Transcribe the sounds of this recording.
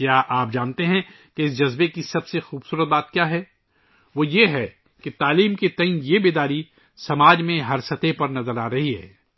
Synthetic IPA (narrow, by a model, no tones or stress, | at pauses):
kjaːʔaːp̚d͡ʒaːnt̪eɦɛ̃ | keɪsd͡ʒɐzbekisɐbsexuːbsuːɾət̪̚baːt̪̚kjaːɦɛː | ʋoːjeɦɛ | ket̪aːliːmkit̪ɐɪnjebeːd̪aːɾi | sɐmaːd͡ʒmẽɦɐɾsət̪epɐɾnɐzəɾaːɾɐɦiɦɛ̰ː